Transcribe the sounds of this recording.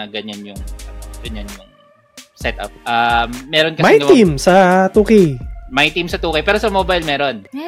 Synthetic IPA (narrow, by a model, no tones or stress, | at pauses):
ɐɡɐɲanjʊŋɡ̥ɐɲanjʊŋ | sɛt̪ɐ̰p̚ʔaːɛːɾonkɐsmɐajtɡɐmimsɐt̪uːkɪjmɐjt̪imsɐt̪uːkɐjpɛːɾosɐmoːbɐjlmɛːɾo̞n